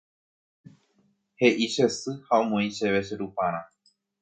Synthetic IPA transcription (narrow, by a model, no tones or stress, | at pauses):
he̞ʔiʃe̞sɨhaõmõĩʃeʋeʃeɾupãɾ̃ã